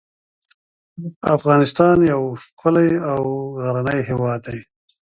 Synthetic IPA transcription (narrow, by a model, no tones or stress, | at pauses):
afɣɑːnɪst̪ɑːnjawʂkʰʊlajawɣaɾanajɦewɑːd̪ːaj